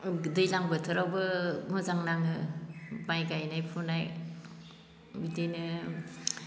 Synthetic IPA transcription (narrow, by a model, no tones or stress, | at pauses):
dɯjlaŋbɯtʰɯɾawbɯmɔzaŋnaŋɯbajɡajnajpʰunaj | bidijnɯ